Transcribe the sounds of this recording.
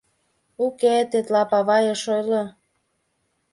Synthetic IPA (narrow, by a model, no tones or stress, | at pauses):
uket̪et̪lɑpɑβɑjeʃojlo